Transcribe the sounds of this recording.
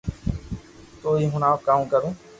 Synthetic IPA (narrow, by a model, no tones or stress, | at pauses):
t̪oːiːɦʊnaːkaːũːkəɾũː